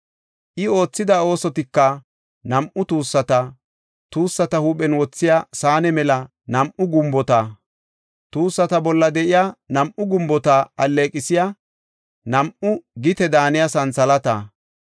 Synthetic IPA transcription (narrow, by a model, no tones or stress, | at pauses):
ʔɪo̞ːt͡sːɪd̪ɐo̞ːsɔt̪ɪkːɐ | nɐmʔʊt̪uːsːɐt̪ɐ | t̪uːsːɐt̪ɐhuːpʼɛnwɔt͡sːɪjasaːnɛmɛlɐ | nɐmʔʊɡʊmbɔt̪a | t̪uːsːɐt̪ɐbɔlːɐd̪ɛʔɪjaːnɐmʔʊɡʊmbɔt̪aɐlːeːkʼɪsɪja | nɐmʔʊɡɪt̪ɛd̪aːnɪjasɐnsɐlɐt̪aː